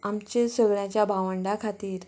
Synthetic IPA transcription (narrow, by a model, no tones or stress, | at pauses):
amt͡ɕesəɡɭjãt͡ɕjabʱaʋəɳɖakʰat̪iːɾ